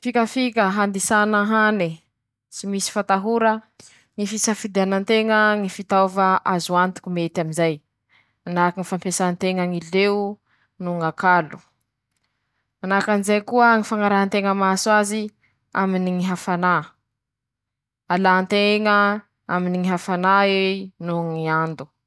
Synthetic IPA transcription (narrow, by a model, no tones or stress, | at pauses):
fikʲəfikʲəɦand̪isanaɦane | simisi̥fat̪aɦuɾə | ŋifisafid̪eanant̪eŋəŋifit̪avaʔazuant̪u̥kʲumet̪aminzaj | anakiŋifampesant̪eŋəŋileu | nuŋakalu̥ | anakanizajkuəŋifaŋɡaɾaɦant̪eŋəmasuazi | aminiŋiɦafana | alaant̪eŋə | aminiŋiɦafanaenuŋiand̪u